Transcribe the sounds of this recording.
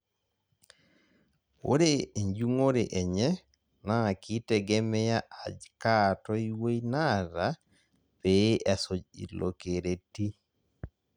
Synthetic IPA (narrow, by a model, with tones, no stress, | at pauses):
o̰˦ɾe˦e˨ɲd͡ʒu˦ŋo˦ɾe˨ʔe˨ɲɛ˦ | na˦˨kʰi˦te˦˨ɡe˦mɛ˦ja˦ʔa˨d͡ʒka˦tɔ˦i˦wo˦i˦na˦ɾa˦ | pe˨˦ʔɛ˨so˨d͡ʒḭ˨lo̰˨ke˨ɾe˨ti˦